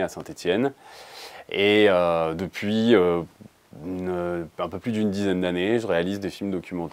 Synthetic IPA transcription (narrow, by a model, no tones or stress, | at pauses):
asɛ̃t̪et̪jɛn | eød̪əpɥiø | ynøɛ̃pøplyd̪ynd̪izɛnd̪aneʒəʁealizd̪efilmd̪ɔkʲymɑ̃t̪